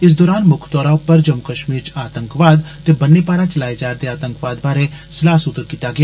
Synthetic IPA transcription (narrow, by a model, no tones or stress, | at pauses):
ɪs̬d̪ɔːɾaːnmʊkʰt̪ɔːɾapɐɾd͡ʒɐmkəʃmiːɾt͡ʃaːt̪ə̃ŋkʋaːd̪t̪ebɐnːepaːɾat͡ʃɐlaːed͡ʒaːɾd̪eaːt̪ə̃ŋkʋaːd̪baːɾẽsɪlaːsʊt̪ːəɾkiːt̪aɡɪjaː